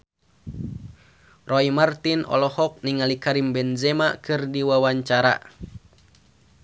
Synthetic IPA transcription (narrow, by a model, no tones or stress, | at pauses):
rɔimart̪inʔɔ̰lɔhɔk̚niŋalikaɾimbɛnzɛmakɨrdiwawaɲt͡ʃaɾa̰